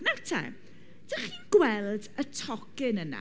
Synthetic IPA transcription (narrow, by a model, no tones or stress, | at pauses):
natʰa̰ | d̥əχiːnɡwɛlˠdətʰɔkɪnəna̰